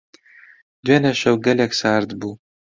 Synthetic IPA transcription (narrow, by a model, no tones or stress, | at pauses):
d̪ɥenɐʃɐwɡɐlʲɛksaːɾd̪bu